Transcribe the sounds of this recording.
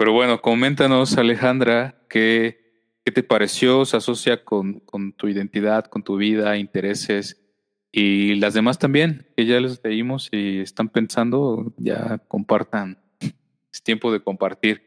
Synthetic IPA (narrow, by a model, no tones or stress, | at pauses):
pe̞ɾo̞βwe̞no̞ko̞mẽ̞nt̪ano̞sale̞xand̪ɾake | ke̞t̪e̞paɾe̞sjo̞seaso̞sjako̞nko̞nt̪uiðe̞nt̪iðaðko̞nt̪uβ̞ið̞aint̪e̞ɾe̞se̞s | ilazðe̞mast̪ambje̞nkeʝalezleimo̞siest̪ampe̞nsand̪o̞ʝa̰ko̞̰mpaɾt̪an | et̪je̞mpo̞ð̞e̞ko̞mpaɾt̪iɾ